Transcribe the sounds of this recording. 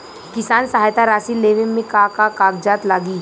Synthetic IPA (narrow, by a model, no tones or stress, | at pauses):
kɪsaːnsɐɦaːjt̪aɾaːsileːʋẽmẽkakakaːɡd͡ʒaːt̪laːɡiː